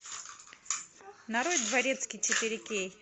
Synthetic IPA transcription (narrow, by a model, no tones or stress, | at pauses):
nɐɾod̪vɐɾʲet̪skʲit͡ʃɪt̪ɪɾʲɪkʲej